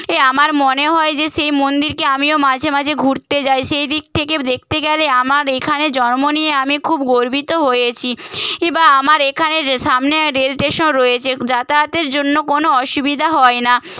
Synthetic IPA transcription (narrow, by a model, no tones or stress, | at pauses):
eamaɾmoneɦɔed͡ʑeʃejmond̪iɾkeamiomad͡ʑʱemad͡ʑʱeɡʱuɾt̪ed͡ʑajʃejd̪ik̚t̪ʰeked̪ek̚t̪eɡɛleamaɾekʰaned͡ʑɔnmonieamikʰubɡoɾbʱit̪oɦojet͡ɕʰiebaamaɾekʰaneʃamneɾelʈeʃonɾɔjet͡ɕʰed͡ʒat̪at̪eɾd͡ʑonːokonoɔʃubid̪ʱaɦɔena